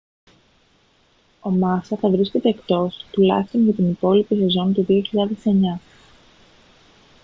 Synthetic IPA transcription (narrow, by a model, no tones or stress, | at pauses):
o̞mɐsɐθɐvɾiske̞t̪e̞ːkt̪o̞st̪ulɐ̰çist̪o̞nʝɐt̪inipo̞lipisezo̞nt̪uðio̞çiʎɐðe̞se̞ɲɐ